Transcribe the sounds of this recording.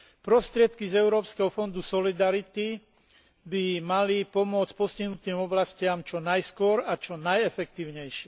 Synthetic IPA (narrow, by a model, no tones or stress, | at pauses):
pɾɔst̪ɾɪɛt̪kizɛʊɾɔːpskɛɦɔfɔnd̪usɔlid̪aɾit̪i | bimalipɔmʊɔt͡scpɔsciɦnut̪iːmɔblascɪamt͡ʃɔnajskʊɔɾat͡ʃɔnajɛfɛkt̪iːʊɲɛjʃɪɛ